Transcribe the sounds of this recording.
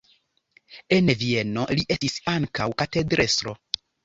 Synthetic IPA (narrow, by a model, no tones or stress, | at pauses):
e̞nvie̞no̞liʔe̞stisaŋkawkatedɾʔe̞sɾo̞